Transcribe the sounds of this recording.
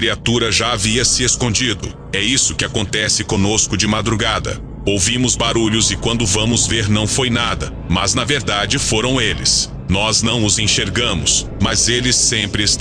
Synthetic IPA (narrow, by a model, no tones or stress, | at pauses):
kɾiat̪uɾɐʒaaviɐsɪeskõd͡ʒid̪ʊ | ɛisʊkɪakõnt̪ɛsɪkõnoskʊd͡ʒɪmad̪ɾuɡad̪ɐ̰ | owvĩmʊzbaɾuʎʊzɪkwɐ̃nd̪ʊvɐ̃mʊzveɾnɐ̃w̃fojnad̪ɐ | mɐznɐveɾd̪ad͡ʒɪfoɾɐ̃w̃elɪ̰s | nɔznɐ̃w̃ʊzẽʃeɾɡɐ̃mʊs | mɐzelɪsːẽpɾɪst̪